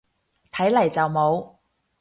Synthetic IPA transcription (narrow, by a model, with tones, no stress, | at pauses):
t̪ʰɐ˨˥jlɐ˨˩jt͡sɐ˨wmo˨˧w